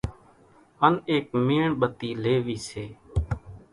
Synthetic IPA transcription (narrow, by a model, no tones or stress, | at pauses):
əneːkmiːɳɓət̪iːleːʋiːseː